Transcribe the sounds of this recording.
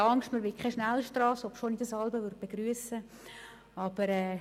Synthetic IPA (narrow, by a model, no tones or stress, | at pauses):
ɑŋkʃtməɾʋɪkʰχɛʃnælʃtrɑːsɔpʃonidəsɑlbəʋʏɾd̚b̥eɡ̥ɾyəsə | ɑb̥əɾɛː